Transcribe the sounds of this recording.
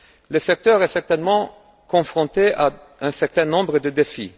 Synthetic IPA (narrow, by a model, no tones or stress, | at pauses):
ləsɛk̚t̪œʁɛsɛʁt̪ɛnmɑ̃ | kɔ̃fχɔ̃t̪eʔa | ɛ̃sɛʁt̪ɛ̃nɔ̃bʁəd̪əd̪efi